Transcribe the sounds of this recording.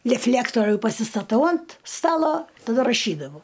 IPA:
lʲɛˈfʲlʲæːktoːrʲʊ pɐsʲɪstɐˈtɐʊ ɐnt ˈstɑːlˠoː tɐˈdɐ rɐˈʃʲiːdɐʋɐʊ

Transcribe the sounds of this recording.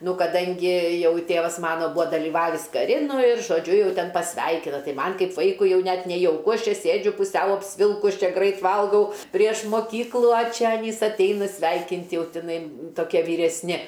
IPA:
ˈnʊ kɐˈdɐŋʲɡʲɪ ˈjɛʊ ˈtʲeːʋɐs ˈmɑːnoː ˈbʊʋoː dɐlʲiːˈʋɑːʋʲɪs kɐˈrʲɪ ˈnʊ ɪr ʒoːˈd͡ʒʲʊ ˈjɛʊ ˈtʲɛn pɐsʲˈʋʲɛɪkʲɪnɐ ˈtɐɪ ˈmɐnʲ ˈkɐɪp ˈʋɐɪkʊɪ ˈjɛʊ ˈnʲɛt nʲɛjɛʊˈkʊ ˈɐʃ ˈt͡ʃʲɛ ˈsʲeːd͡ʒʲʊ pʊˈsʲɛʊ ɐpʲsʲˈʋʲɪlˠkʊs ˈt͡ʃʲɛ ˈɡrɐɪt ˈʋɐlˠɡɐʊ ˈpʲrʲiɛʃ moːˈkʲiːklˠʊ ɐ ˈt͡ʃʲɛ ɐˈnʲiːs ɐtʲˈɛɪnɐ ˈsʲʋʲɛɪkʲɪnʲtʲ ˈjɛʊ tʲɪˈnɐɪ toːˈkʲiɛ ʋʲiːrʲɛsʲˈnʲɪ

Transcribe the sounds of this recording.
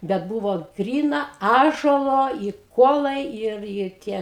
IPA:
bʲɛt ˈbʊʋoː ˈɡrʲiːnɐ ˈɑːʒuɔlˠoː ɪ ˈkuɔlˠɐɪ ˈɪr ɪr ˈtʲiɛ

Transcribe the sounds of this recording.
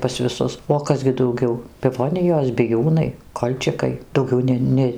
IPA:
pɐs ʋʲɪˈsʊs oː ˈkɐs ɡʲɪ dɐʊˈɡʲɛʊ pʲɪˈʋoːnʲɪjoːs bʲɪˈjuːnɐɪ ˈkoːlʲt͡ʃʲɪkɐɪ dɐʊˈɡʲɛʊ ˈnʲɛ ˈnʲɛ

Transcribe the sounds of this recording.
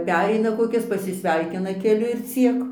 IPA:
ˈpʲæːrʲɛɪnɐ koːˈkʲɪs pɐsʲɪsʲˈʋʲɛɪkʲɪnɐ kʲɛˈlʲʊ ɪr ˈt͡sʲiɛk

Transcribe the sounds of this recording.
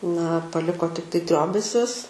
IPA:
nɐ pɐˈlʲɪkoː tʲɪkˈtɐɪ ˈtʲrʲoːbʲɛsʲʊs

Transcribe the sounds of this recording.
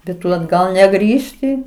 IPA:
bʲɛt ˈtʊ ɐdˈɡɐlˠ nʲɛˈɡrʲiːʃʲtʲɪ

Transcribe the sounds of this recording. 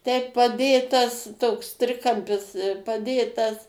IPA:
ˈtʲɛɪp pɐˈdʲeːtɐs ˈtoːks ˈtʲrʲɪkɐmʲpʲɪs pɐˈdʲeːtɐs

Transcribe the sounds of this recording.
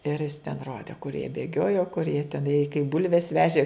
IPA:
ɪr jɪs tʲɛn ˈroːdʲeː kʊr jiɛ bʲeːˈɡʲoːjoː kʊr jiɛ tʲɛˈnɐɪ kɐɪp ˈbʊlʲʋʲɛs ˈʋʲæːʒʲeː

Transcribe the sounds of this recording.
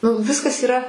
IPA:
nʊ ˈʋʲɪskɐs iːˈrɐ

